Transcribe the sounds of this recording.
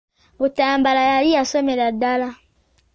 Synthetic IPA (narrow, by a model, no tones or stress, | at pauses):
motajambalajaliasɔmɛladala